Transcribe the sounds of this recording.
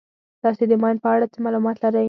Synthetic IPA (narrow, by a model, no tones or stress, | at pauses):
t̪ɑsed̪əmɑjnd̪̚pəaɽat͡səmɑlumɑt̪laɾəj